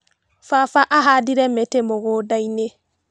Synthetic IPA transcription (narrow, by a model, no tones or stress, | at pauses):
fafaʔaɦadiɾɛmetemoɣodaine